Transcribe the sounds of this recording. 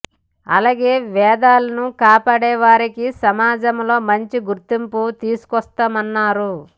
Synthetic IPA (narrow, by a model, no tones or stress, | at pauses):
ɐ̰laːɡe̞ːʋɛːd̪aːlɐnukaːpaːɽɛːʋaːɾikisɐmaːd͡ʒɐmlo̞ːmɐɲt͡ʃiɡuɾt̪imput̪iːsu̥kɔst̪aːmɐnːaːɾu